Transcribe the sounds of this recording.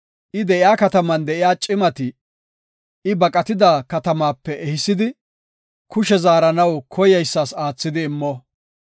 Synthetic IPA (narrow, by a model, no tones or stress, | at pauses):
ʔɪd̪ɛʔɪjaːkɐt̪ɐmɐnd̪ɛɪjaːt͡ʃʼɪmɐt̪ɪ | ɪbɐkʼɐt̪ɪd̪akɐt̪ɐmaːpːɛʔɛhɪsːɪd̪ɪ | kʊʃɛzaːɾɐnɐwkʰɔjɐjsːaːsaːt͡sːɪd̪ɪːmːɔ